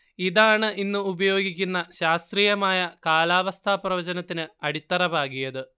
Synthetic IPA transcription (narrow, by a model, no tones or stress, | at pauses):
iðaːɳɨʔinːuubɐjo̞ːɡikʲːunːɐɕaːst̪riːjɐmaːjɐkaːlaːʋɐst̪ʰaːprɐʋɐd͡ʑɐnɐt̪ːinɨɐɽit̪ːɐrɐbʱaːɡijɐðɨ